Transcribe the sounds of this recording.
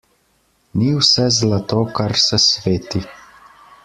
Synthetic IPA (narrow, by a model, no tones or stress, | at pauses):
niwsɛzlat̪okaɾsɛsʋeːt̪i